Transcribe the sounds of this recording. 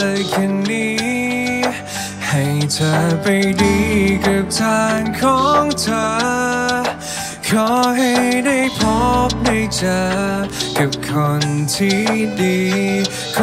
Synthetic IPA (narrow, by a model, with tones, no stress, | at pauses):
jkʰa˧nːiː˧˥ | ha˧˩jt̪ʰə˧pa˧jdiː˧ka˨˧p̚t̪ʰaː˧nkʰɔː˨˦ŋt̪ʰə˧ | kʰɔ˨˧ɦa˧jjda˥˩jpʰɔ˧˦˥m̚ha˥˧˩jt͡ɕa˧ka˨˥p̚kʰo˧nt̪ʰi˧˩diː˧ | kʰ